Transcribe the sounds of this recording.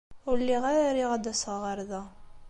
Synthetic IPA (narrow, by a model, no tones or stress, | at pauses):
ʊɾlːiʁaɾaɾiʁad̪æsəʁʁəɾðæ